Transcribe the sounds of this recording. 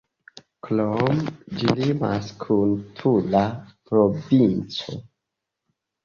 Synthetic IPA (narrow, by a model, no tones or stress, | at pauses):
klomd͡ʒilima̰skʰuntʰulapɾovint͡so̰